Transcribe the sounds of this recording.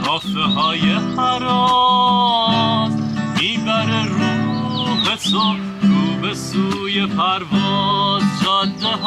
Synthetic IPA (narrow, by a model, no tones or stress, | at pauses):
kʰɔːfeɦɔːjehæɾɔ | miːbæɾeɾubeso | ɾubesujepʰæɾvɔːzd͡ʒɒnd̪eɦ